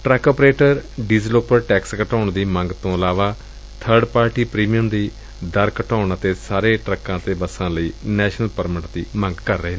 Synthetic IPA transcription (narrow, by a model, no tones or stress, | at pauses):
ʈɾɛːkoːpɾeːʈəɾɖizloːpəɾʈɛːkskəʈaːɳd̪iːməŋɡt̪õːəlaːʋaː | t̪ʰəɾɖpaːɾʈiːpɾiːmijəmd̪iː | d̪əɾkəʈaːɳət̪eːsaːɾeːʈɾəkːãːt̪eːbəsãːləiːnɛːʃnəlpəɾmɪʈd̪iːmə̃ŋɡkəɾːəɦeː